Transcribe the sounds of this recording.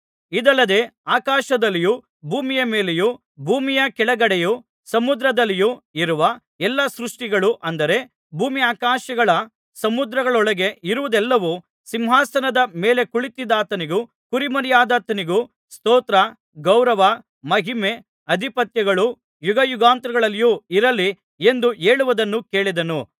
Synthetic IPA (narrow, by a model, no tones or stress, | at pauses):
id̪ɐlːɐd̪e̞ːaːkaːʃɐd̪ɐlːiju | bʱuːmijɐme̞ːleju | bʱuːmijɐkɛɭɐɡɐɽɛju | sɐmud̪ɾɐd̪ɐlːijuiɾuʋɐ | ɛlːɐsɾuʂʈiɡɐɭuʔɐnd̪ɐɾe̞ | bʱuːmiaːkaːʃɐɡɐɭɐ | sɐmud̪ɾɐɡɐɭɔɭɐɡe̞ʔiɾuʋud̪ɛlːɐʋu | simɦaːsɐnɐd̪ɐme̞ːle̞kuɭit̪id̪aːt̪ɐniɡu | kuɾimɐɾijaːd̪aːt̪ɐniɡu | st̪oːt̪ɾɐ | ɡɐwɾɐʋɐ | mɐɦime | ɐd̪ʱipɐt̪jɐɡɐɭu | juɡɐjuɡaːnt̪ɾɐɡɐɭɐlːijuiɾɐlːi | e̞nd̪uʔeːɭuʋɐd̪ɐnːuke̞ːɭid̪ɐnu